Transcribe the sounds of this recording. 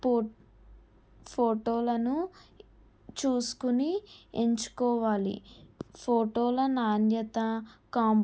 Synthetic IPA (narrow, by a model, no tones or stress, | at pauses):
pʰoːʈoːlɐnu | t͡ʃuːsu̥kunieɲt͡ʃu̥kɔːʋaːlḭpʰoːʈoːlɐnaːnjɐt̪ɐkaːm